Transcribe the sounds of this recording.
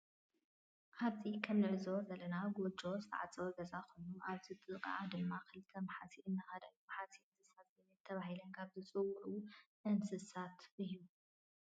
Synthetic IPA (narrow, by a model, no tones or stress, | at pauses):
haβt̪ʼikʰɐmnɨʕɨzo̞zɐlɐnaɡod͡ʒo̞zɨt̪ʰɐ̰ʕa̰t͡sʼɐwoɡɐzaxojnuʔaβzɨt̪ʼɨqʼa̰ʕad̪ɨmːaxɨlɨt̪ʰːɐmħasiʔɨnːɐhad̪ajumħasiʔɨnsɨsat̪ɨnt̪ʰːɐβahilɐnkʰaβzɨt͡sʼɨwːʊʕuʔɨnsɨsat̪ɨju